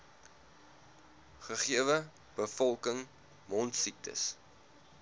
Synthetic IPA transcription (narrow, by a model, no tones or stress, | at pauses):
χəχiəvə | b̥əfɔlˠkəŋ | mɔntsik̚tʰə̰s